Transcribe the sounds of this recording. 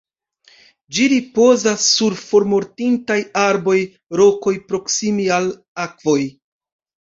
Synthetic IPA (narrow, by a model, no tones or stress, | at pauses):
d͡ʒiɾipo̞zasːuɾfo̞ɾmo̞ɾtintajaɾbo̞j | ɾo̞ko̞jpɾo̞ksimial | akvo̞j